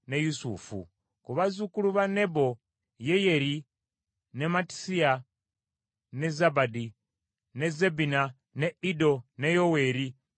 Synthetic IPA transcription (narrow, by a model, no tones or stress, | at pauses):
nejusṵfṵ | kuβazukuluβane̞bo | jejeɾi | ne̞mati̥sia | nezabadi | nezebina | neido̞nejowe̞ːɾi